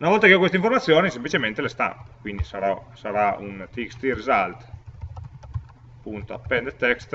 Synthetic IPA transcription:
unavɔlt̪akeɔkwest̪aiɱformat̪sːjoːnisemplit͡ʃement̪elest̪a̰mpekwind̪isaɾasaɾaṵnt̪ikst̪irizalt̪ | pːunt̪oa̰pːɛnd̪et̪ːɛkst̪

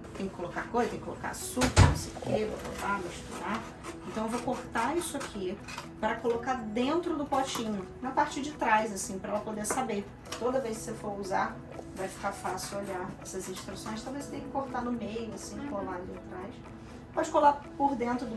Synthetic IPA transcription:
t̪ẽj̃kɪ̥kolokakojzɐt̪ẽkɪko̰loka̰supɐnõ̰sejʊkevopo̰tamiʃt̪uɾa | ẽnt̪ɐ̃w̃ewvowkoɾt̪aisʊakʰi | pɾɐkolokad̪ẽnt̪ɾʊd̪ʊpot͡ʃĩɲʊnɐ̃w̃paɾt͡ʃid͡ʒɪt̪ɾajzasĩpɾɐɛlɐpod̪eɾsabe | t̪od̪ɐvejs̬kɪ̥sefoɾuzaɾ | vajfi̥kafasɪwoʎaɛsɐzĩʃt̪ɾusõj̃st̪oad̪ɐvejse̥t̪ẽj̃kɪkoɾt̪anʊmejʊasĩkolalit̪ɾajs | pɔd͡ʒɪkolapoɾd̪ẽnt̪ɾʊd̪ʊ

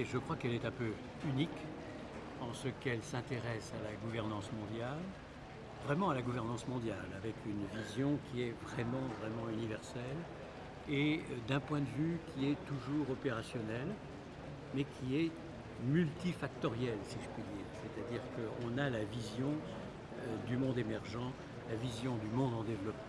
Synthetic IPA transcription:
ʒəkχwakɛlɛt̪ɛ̃pø | ynik | ɑ̃səkɛlsɛ̃t̪eʁɛsalaɡuvɛʁnɑ̃smɔ̃d̪jal | vʁɛmɑ̃alaɡuvɛʁnɑ̃smɔ̃d̪jalavɛkynvizjɔ̃kʲʰiɛvʁɛmɑ̃vʁɛmɑ̃ynivɛʁsɛl | ed̪ɛ̃pwɛ̃d̪əvykʲʰiɛt̪uʒuʁɔpeʁasjɔnɛl | mɛkʲʰiɛ | mylt̪ifak̚t̪ɔʁjɛlsiʒəpɥid̪iːʁsɛt̪ad̪iʁkəɔ̃nalavizjɔ̃ | d̪ymɔ̃d̪emɛʁʒɑ̃ | lavizjɔ̃d̪ymɔ̃d̪ɑ̃d̪evlɔpmɑ̃

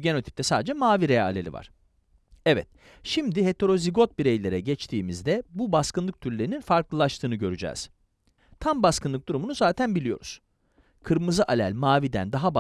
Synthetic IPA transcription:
ɟe̞no̞t̪ʰi̥p̚t̪ɛsaːd̪ed͡ʒɛmaːviɾea̰lʲelʲḭva̰ɾ̥ | ɛvɛ̰t̪̚ | ʃimd̪ihe̞t̪ʰe̞ɾo̞ziɡo̞t̪̚biɾejlʲeɾɛɟɛt͡ʃt̪ʰiːmizd̪ɛbubaskɯnlˠɯk̚t̪ʰyɾlʲeɾininfaɾklˠɯlˠaʃt̪ʰɯːnɯɟø̞ɾyd͡ʒɛ̰ːz̥ | t̪ʰambaskɯnˠɯk̚d̪uɾumunuzaːt̪ʰænbilʲijo̞̰ɾṵz̥ | kʰɯɾmɯzɯʔalʲælʲmaːvid̪æ̰nd̪aɦaba

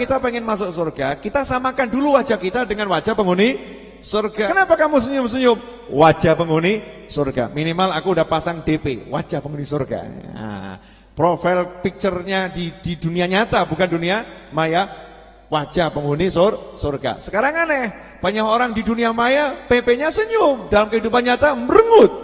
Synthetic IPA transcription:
kit̪apɛŋɪnmas̬ʊk̚sorɡakit̪asamakanduluwad͡ʒakit̪adəŋanwad͡ʒapəŋɡuni | sorɡakənapakamus̬əɲʊmsuɲʊm | wad͡ʒapəŋɡuni | sorɡa̰minimalakuːdahpasaŋdepḛwa̰d͡ʒ̥ahpəŋɡunisorɡa̰a̰ | pɾofalpik̚t͡ʃərɲadid̥iduniaɲat̪abukanduniamaja | wad͡ʒapəŋunisorsorɡa̰sə̥kaɾaŋanɛh | b̥aɲaɦoɾaŋdiduniamajapepeɲasəɲʊmdalamkəɦidupanɲat̪aməɾəŋʊt̪̚

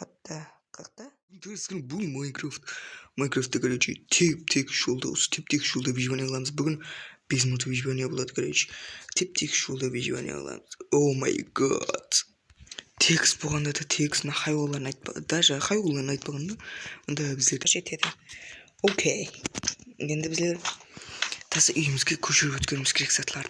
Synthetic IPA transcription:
ət̪ːə | qʰq̚t̪ə | nt̪ʰɵɾskʰʲɪnbʊlˠmakɾoft̪majkɾoft̪ːəkʲʰæɾet͡ʃḛt̪ʰet̪ʰekʲɪ̥ʃʒolˠd̪ɑ̰wʊ̰st̪ʰep̚t̪ʰekɪ̥ʃʒolˠd̪ɑvʲiʒbanejɑlˠɑməzbʏɡʲɪnb̥ezmont̪ʰviʒbanijabolˠɑd̪əkʰʲeɾḛt͡ʃt̪ʰep̚t̪ʰekʲɪ̥ʃʒolˠd̪ɑviʒiba̰nja̰ɑ̰lˠɑ̰məz̥owma̰jɡɑ̰d̪̥ | t̪ʰe̞kst̪boʁɑnd̪ɑd̪ɑt̪ʰeksmnɑqʰɑjwɑlˠːɑɾənɑjt̪̚pd̪̥ɑʒɑqʰɑjwlˠːɑɾənɑjt̪̚pɑʁɑnd̪ɑwond̪ɑbɪzd̪e̞ɾʒet̪ʰe̞d̪ɪ | owkʲʰej | e̞nd̪ɪbɪzle̞ɾ | t̪ʰɑsɑʔʏjɪmɪzɡʲe̞kʲʰɵʃɪɾɪpwɵt̪kʲe̞ɾɪmɪzkʲʰeɾeksɑt̪əlˠɑɾd̪ə

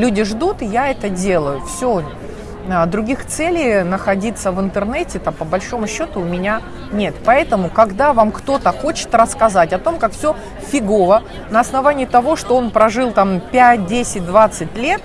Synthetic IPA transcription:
lʲudʲɪʐd̪ut̪ɨjaɛt̪ədʲe̞lˠəjʊfsʲo | d̪ɾʊɡʲixt̪sɛlʲɪjnəxɐdʲit̪sːəvɨnt̪ɨrnɛtʲɪt̪apəbɐlʲʂo̞mʊɕːo̞t̪ʊːmʲɪnʲa | nʲe̞t̪pɐɛt̪əmʊkɐɡd̪avamkt̪o̞t̪əxo̞t͡ɕɪ̥t̪rəskɐzatʲɐt̪o̞mkakfsʲo | fʲɪɡovə | nəːsnɐvanʲɪjːt̪ɐvo̞ʂt̪oo̞npɾɐʐɨlˠt̪ampʲæt̚ʲdʲesʲɪt̚ʲd̪vat̪sɨt̚ʲlʲe̞t̪̚

